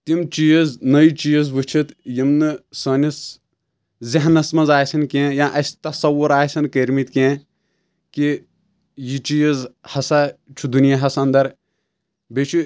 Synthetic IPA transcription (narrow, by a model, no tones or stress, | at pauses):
t̪imt͡ʃijɐznɐit͡ʃijɐzʋɨt͡ʃʰit̪jimnɨsɐːnʲis | ziɦnɐsmɐnzaːjsɐnkʲẽjãːʔɐst̪ɐsɐwuɾaːjsʲɐnkeɾʲmit̪kʲẽː | ki | jit͡ʃijɐzhɐsat͡ʃʰud̪unijaɦɐsɐɐnd̪ɐɾ | bet͡ʃʰu